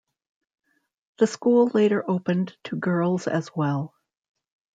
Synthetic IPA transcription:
ðɨskulˠleɪɾə˞ʔoʊpɨ̃ntʰɨɡɜ˞lˠz̥ɨ̰zwɛlˠ

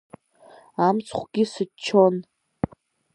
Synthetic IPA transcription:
amt͡sʰχʷɡ̥ʲisɨt͡ʃʰon

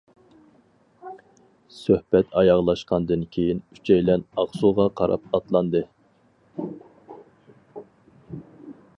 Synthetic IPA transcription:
søhbɛt̪ʰɑjɑʁlˠɑʃqɑnd̪ɨnkʲʰejiny̥t͡ʃʰɛjlɛnɑχsuʁɑqʰɑɾɑ̰p̚ɑt̪lˠɑnd̪ɨ

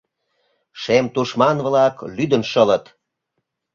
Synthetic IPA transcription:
ʃemt̪uʃmɑnβlɑklyd̪ənʃələt̪

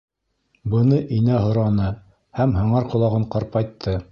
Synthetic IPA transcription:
bɤ̆nɤʔinæɦŏɾɑnɤ | hæmhɤ̆ɴɑɾqŏlˠɑʁɤɴqɑɾpɑjt̪ʰːɤ

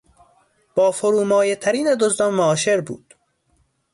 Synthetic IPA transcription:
b̥ɒːfoɾuːmɒːjet̪ʰæɾiːned̪ozd̪ɒmːoɒːʃeɾbṵːd̪̥

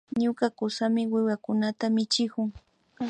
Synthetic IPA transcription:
ɲʊkakʊsamɪwɪwakʊnat̪amɪt͡ʃɪkʊŋ

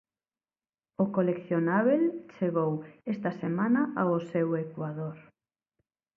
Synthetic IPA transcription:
ʊkolekθjonaβelt͡ʃeɣowest̪ɐsemãnɐʔaʊsewekwaðoɾ

